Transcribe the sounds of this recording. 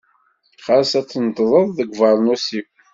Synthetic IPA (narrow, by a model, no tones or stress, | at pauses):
χasæt͡sːənt̪ˤðˤəðˤðəɡʷvɑɾˤnusikʷ